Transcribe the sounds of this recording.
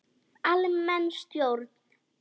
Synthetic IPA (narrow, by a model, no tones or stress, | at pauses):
alɪmːɛnst̪joɾt̪n